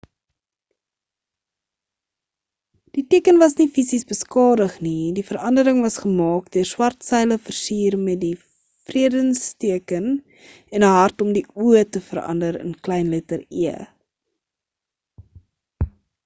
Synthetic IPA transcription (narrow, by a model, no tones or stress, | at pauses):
d̥itiəkənvɐsnifisisbəskɑːdəχnidifəɾɐndəɾəŋvɐsχəmɑːkdøərswɐrtsɛjləfərsiːrmɛt̚di | friədənstiəkən | ɛnəɦɐrtɔmdiuətəfəɾɐ̰ndəɾə̰nklɛjnlɛtəriə